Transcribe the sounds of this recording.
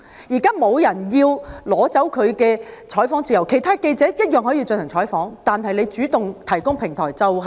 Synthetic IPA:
jiː˨˩kaː˥mo˨˧wjɐ˨˩njiː˧wlɔː˨˥t͡sɐ˨˥wkʰɵ˨˧ɥkɛː˧t͡ʃʰɔː˨˥jfɔː˨˥ŋt͡siː˧˩ɐ˨˩wkʰe˨˩jt̪ʰaː˥ke˧jt͡sɛː˨˥jɐ˥t̚jœː˨ŋɦɔː˨˥ji˧wt͡ʃɵ˧nhɐ˨˩ŋt͡ʃʰɔː˨˥jfɔː˨˥ŋt̪aː˨nɦɐ˨jle˨˧jt͡ʃyː˨˥t̪ʊ˨ŋt̪ʰɐ˨˩jkʊ˥ŋpʰɪ˨˩ŋt̪ʰɔ̰ː˨˩jt͡sɐ˨wɦɐ˨

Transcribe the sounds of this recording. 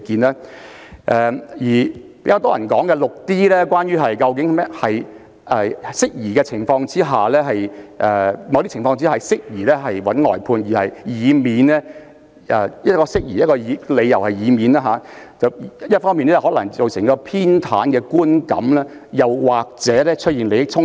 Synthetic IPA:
kiː˧nɛː˦˥ | ʔɛ˨˧jiː˨˩pe˧˥kaː˧wt̪ɔː˥jɐ˨˩nkɔː˨˥ŋkɛ˧lʊ˨k̚t̪iː˥lɛː˥kʷaː˥nɥyː˥ɦɐ˨jkɐ˧wk̬ɪ˨˥ŋmɛː˥hɐ˨j | ɛ˨˩sɪ˥k̚jiː˨˩kɛː˧t͡sʰɪ˨˩ŋfɔː˧ŋt͡siː˥ɦaː˨lɛː˥ɦɐ˨jʔɛ˨mɐ˨˧wt̪i˥t͡ɕɪ˨˩ŋfɔː˧ŋt͡si˥aː˨sɪ˥k̚jiː˨˩lɛː˥ɦɐ˨jwɐ˨˥nŋɔ̰ː˨jpʰuː˧njiː˨˩hɐ˨jjiː˨˧miː˨˧nɛ˥ | ʔɛ˧jɐ˥t̚kɔː˧sɪ˥k̚jiː˨˩jɐ˥t̚kɔː˧jiː˨˧le˨˧jːɐ˨˩whɐ˨jiː˨˧miː˨˧naː˧ɦaː˨˧ | t͡sɐ˨wjɐ˥t̚fɔː˥miː˨nɛ˥t͡sɐ˨˩hɔː˨˥lɐ˨˩ŋt͡so˨wsɪ˨˩ŋkɔː˧pʰiː˥nt̪ʰaː˨˥nkɛː˧kuː˥nkɐ̰˨˥mlɛː˥jɐ˨wwaː˨k̚t͡sɛː˨˥lɛː˥t͡ʃʰɵ˥t̚iː˨nle˨˧jɪ˥t͡sʰʊ˥ŋ

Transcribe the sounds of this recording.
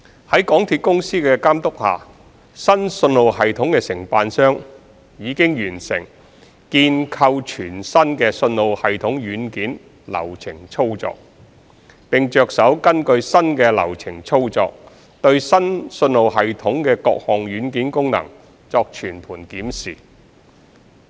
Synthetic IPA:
hɐ˨˥jkɔː˨˥ŋt̪ʰiː˧t̚kʊ˥ŋsiː˥kɛ˧kaː˥mt̪ʊ˥k̚ha̰ː˨˩ | sɐ˥nsɵ˧nlo˨˧wɦɐ˨jt̪ʰʊ˨˥ŋkɛː˧sɪ˨˩ŋpaː˧nsœː˥ŋ | jiː˨˧kɪ˥ŋjyː˨˩nsɪ˨˩ŋ | kiː˧nkʰɐ˧wt͡ʃʰyː˨˩nsɐ˥nkɛː˧sɵ˧nlo˨˧whɐ˨jt̪ʰʊ˨˥ŋjyː˨˥nkiː˨˥n | lɐ̰˨˩wt͡sʰɪ˨˩ŋt͡sʰo˥wt͡sɔ̰ː˧k̚ | pɪ˨ŋt͡ʃœː˧k̚sɐ˨˥wkɐ˥nkɵ˧ɥsɐ˥nkɛ˧lɐ̰˨˩wt͡sʰɪ˨˩ŋt͡sʰo˥wt͡sɔː˧k̚ | t̪ɵ˧ɥsɐ˥nsɵ˧nlo˨˧wɦɐ˨jt̪ʰʊ˨˥ŋkɛː˧kɔ̰ː˧k̚hɔː˨˩ŋɥyː˨˥nkiː˨˥nkʊ˥ŋnɐ̰˨˩ŋ | t͡sɔː˧k̚t͡ʃʰyː˨˩npʰuː˨˩nkiː˨˥msiː˨˩

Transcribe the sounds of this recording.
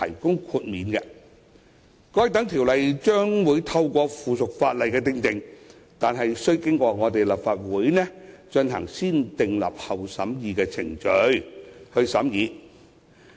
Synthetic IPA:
t̪ʰɐ̰˨˩jkʊ˥ŋkʰuː˧t̚miː˨˧nɡɛ˧ | kɔː˧˥jt̪ɐ˨˥ŋt̪ʰi˨˩wlɐ˨jt͡ʃœː˥ŋwuː˨˧˥jt̪ʰɐ˧wkʷɔː˧fuː˨sʊ˨k̚faː˧t̚lɐ˨˩jkɛː˧t̪ɪ˧ŋt̪ɪ˨ŋ | t̪aː˨nɦɐ˨jsɵ˥ɥkɪ˥ŋkʷɔː˧ŋɔː˨˧t̪e˨jlɐ˨p̚faː˨t̚wuː˨˥jnɛː˥t͡ʃɵ˧nɦɐ̰˨˩ŋsiː˥nt̪ɪ˨ŋlɐ̰˨p̚hɐ˨wsɐ˨˥mjiː˨˧kɛː˧t͡sʰɪ̰˨˩ŋt͡ʃɵ˨˥ɥhɵ˧ɥsɐ̰˨˥mjiː˨˧

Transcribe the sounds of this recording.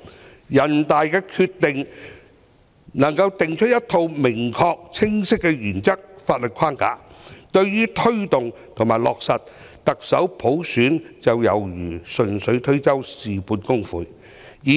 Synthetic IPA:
jɐ˨˩nt̪aː˨jkɛː˧kʰyː˧t̪ːɪ˨ŋ | nɐ˨˩ŋkɐ˧wt̪ɪ˨ŋt͡ʃʰɵ˥t̚jɐ˥t̪ʰo˧wmɪ˨˩ŋkʰɔː˧k̚t͡sʰɪ˥ŋsɪ˥kːɛ˧jyː˨˩nt͡sɐ˥k̚faː˧t̚lɵ˨t̚kʰaː˥nka̰ː˨˥t̪ɵ˧ɥjyː˥t̪ʰɵ˥ɥt̪ʊ˨ŋ | t̪ʰŋmaː˨˩jlɔː˨k̚sɐ˨t̚ | t̪ɐ˨k̚sɐ˨˥wpʰo˨˥wsyː˨˥nt͡sɐ˨wjɐ˨˩wjyː˨˩sɵ˨nsɵ˨˥ɥt̪ʰɵ˥ɥt͡sɐ˥wsiː˨puː˨˧nkʊ˥ŋfṵː˨˧j | jiː˨

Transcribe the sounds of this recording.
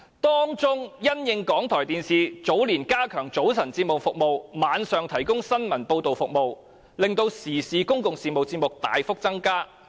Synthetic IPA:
t̪ɔː˥ŋt͡sʊ˥ŋjɐ˥njɪ˧ŋkɔː˨˥ŋt̪ʰɔː˨˩jt̪iː˨˧nsiː˨t͡so˨˥wliː˨˩nkaː˥kʰœː˨˩ŋt͡so˨˥wsʰɐ˨˩nt͡siː˧p̚mʊ˨wfʊ˨k̚mo˨wmaː˨˧nsœː˨ŋt̪ʰɐ˨˩jkʊ˥ŋsɐ˥nmɐ˨˩npo˧wt̪o˨˩wfʊ˨k̚mo˨w | lɪ˨ŋt̪o˧wsiː˨˩siː˨˧kʊ˥ŋkʊ˨ŋsiː˧p̚mo˨wt͡si˧˥mʊ˨k̚t̪a̰ː˨˧jfʊ˥k̚t͡sɐ˥ŋkaː˥

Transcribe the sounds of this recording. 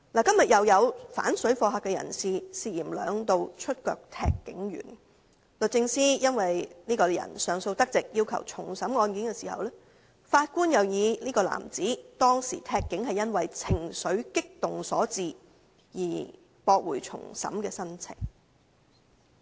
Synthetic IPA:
laː˨˩kɐ˥mjɐ˨t̚jɐ˨wjɐ˨˧wfa̰ː˨˥nsɵ˨˥ɥfɔː˧ɦaː˨kɛː˧jɐ̰˨˩nsiː˨siː˧jiː˨˩mlœ̰ː˨˧ŋt̪o˧wt͡ʃʰɵ˥t̚kœː˧k̚t̪ʰɛ̰ː˧kːɪ˨˥ŋjy̰ː˨˩n | lɵ˨t̚t͡sɪ˧ŋsiː˥jɐ˥nwɐ˨jniː˥kɔː˧jɐ̰˨˩nsœː˨ŋso˧wt̪ɐ˥k̚t͡sɪ˨k̚jiː˥wkʰɐ˨˩wt͡sʰʊ˨˩ŋsɐ˨˧˥mŋɔː˧nkiː˨˥nkɛː˧siː˨˩hɐ̰˨wlɛː˥ | faː˧t̚kuː˥njɐ˨wjiː˨˧niː˥kɔː˧la̰ː˨˩mt͡siː˨˥t̪ɔː˥ŋsḭː˨˩t̪ʰɛː˧kːɪ˨˥ŋhɐ˨jːɐ˥nwɐ˨jt͡sʰɪ˨˩ŋsɵ˨˥ɥkɪ˥k̚t̪ʊ˨ŋsɔː˨˥t͡siː˨˧ | jiː˨˩ | pɔː˧k̚wuː˨˩jt͡sʰʊ̰˨˩ŋsɐ̰˨˧˥mkɛː˧sɐ˥nt͡sʰɪ̰˨˩ŋ

